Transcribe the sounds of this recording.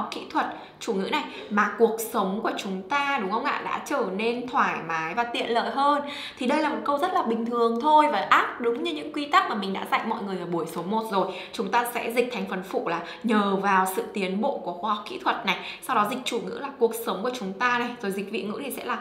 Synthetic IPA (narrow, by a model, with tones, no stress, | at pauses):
k͡p̚kḭ˧˥t̪ʰwə˨˩t̚ | t͡ɕu˧˩ŋɨ̰˧˥na˨˩j | maː˨˩ku˨˩ək̚sə˨˦wŋ͡mku˧˩ət͡ɕʊ˨˦ŋ͡mt̪aː˧ɗʊ˨˦ŋ͡mhə˧wŋ͡mʔa̰ː˧˨ɗa̰ː˧˥t͡ɕəː˧˩ne˧nt̪ʰwaː˧˩jmaː˨˦jvaː˨˩t̪ḭ˧˨ənlə̰ː˧˨jɦəː˧n | t̪ʰi˨˩ɗə˧jlaː˨˩mo˨˩t̚kə˧wzə˦˥t̚laː˨˩ɓï˨˩ŋ̟t̪ʰɨ˨˩əŋt̪ʰo˧jvaː˨˩ʔaː˦˥t̚ɗʊ˨˦ŋ͡mɲɨ˧ɲɨ̰˧˥ŋkwi˧t̪a˦˥k̚maː˨˩mï˨˩ŋɗa̰ː˧˥za̰˧˨jmɔ̰˧˨jŋɨ˨˩əjʔəː˧˩ɓu˧˩əjso˨˦mo˨˩t̚zo˨˩j | t͡ɕʊ˨˦ŋ͡mt̪aː˧sɛ̰˧˥zi˨˩k̚t̪ʰa˨˩jŋ̟fə˨˩nfṵ˧˨laː˨˩ | ɲəː˨˩vaː˨˩wsɨ̰˧˨t̪i˨˦ənɓo̰˧˨ku˧˩əxwaː˧hk͡p̚kḭ˧˥t̪ʰwə˨˩t̚na˨˩jsa˧wɗɔ˨˦zi˨˩k̟̚t͡ɕu˧˩ŋɨ̰˧˥laː˨˩ku˨˩ək̚sə˨˦wŋ͡mku˧˩ət͡ɕʊ˨˦ŋ͡mt̪aː˧na˨˩jzo˨˩jzi˨˩k̟̚vḭ˧˨ŋɨ̰˧˥t̪ʰi˨˩sɛ̰˧˥laː˨˩